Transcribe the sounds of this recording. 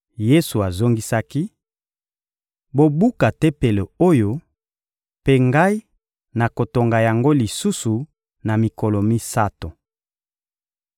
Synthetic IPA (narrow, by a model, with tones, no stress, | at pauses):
je˦su˨a˨zo˦ŋɡi˦sa˦ki˦ | bo˨bu˦ka˨te˦pe˨le˨o˦jo˦ | pe˦ŋɡa˦i˦ | na˨ko˨to˨ŋɡa˨ja˨ŋɡo˦li˨su˦su˨ | na˨mi˨ko˨lo˨mi˦sa˦to˨